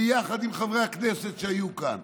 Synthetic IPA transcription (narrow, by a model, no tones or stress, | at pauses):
jaχad̪imχavʁeaknese̞t̪ʃeajuka̰n